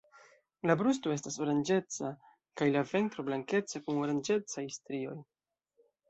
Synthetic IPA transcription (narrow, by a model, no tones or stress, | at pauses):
labɾustoe̞staso̞ɾand͡ʒe̞t͡sa | kajlave̞ntɾo̞blaŋke̞t͡sakunoɾand͡ʒe̞t͡sajstɾio̞j